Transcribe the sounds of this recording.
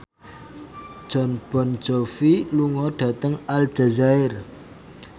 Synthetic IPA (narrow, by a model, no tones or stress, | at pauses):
ʒ̥ɔ̤nb̥ɔn̥d͡ʒ̥ɔfiluŋɔɖ̥ä̤t̪əŋal̥d͡ʒ̥azaɪr